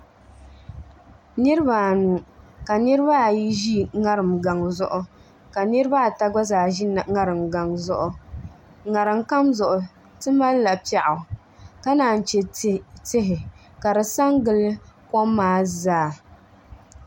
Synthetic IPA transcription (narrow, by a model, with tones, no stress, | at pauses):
nɨ˦ɾɨ˦ba˨nu˨ka˨nɨ˦ɾɨ˦ba˦˨ji˦ʒi˦ŋa˦ɾɨ˨mɡa˨ŋ˨zʊ̰˦ʔʊ˦ | ka˨nɨ˦ɾɨ˦ba˦˨ta˦ɡ͡ba˦zaː˨ʒi˦n˨ŋa˦ɾɨ˨mɡa˨ŋzʊ˦ʔʊ˨ | ŋa˨ɾɨ˨mka˦mzʊ˨ʔʊ˨ | tɨ˦ma˦lla˨pi˦a˨ʔʊ˨ | ka˦naː˨n̩˨t͡ʃɛ˨tɪ˦ɦɪ˨ | ka˨dɨ˨sa˦ŋɡɨ˦lɨ˦kɔ˦mːaː˦zaː˦˨